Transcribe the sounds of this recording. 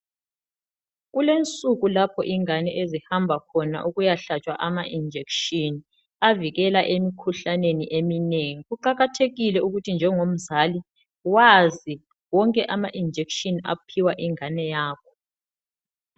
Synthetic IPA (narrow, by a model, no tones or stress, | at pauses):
ɣulent͡sʼuɣulapʰɔ̰ʔiŋanɛʔezihambʱakʰɔna̰ʔuɣujaɬat͡ʃʼwaʔamaʔind͡ʒʱekʃini | aviɣɛlaʔemikʰuɬaneniʔemineŋiɣuǃaɣatʰeɣilɛuɣutʰind͡ʒʱɛŋom̩zali | wazi | wɔŋkʼɛʔamaʔind͡ʒʱekʃina̰pʰiwaʔiŋanɛjaːkʰɔ̥